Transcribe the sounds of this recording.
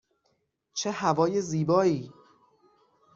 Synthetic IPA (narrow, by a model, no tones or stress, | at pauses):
t͡ʃʰehævɒːje̞ziːbɒːiː